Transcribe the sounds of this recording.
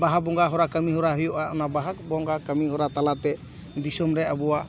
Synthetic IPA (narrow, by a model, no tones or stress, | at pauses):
baɦabɔŋɡaɦɔɾakəmiɦɔɾaɦɔjɔʔaʔɔnabaɦak̚bɔŋɡakəmiɦɔɾat̪alat̪ɛ | d̪isɔmɾɛʔabɔwa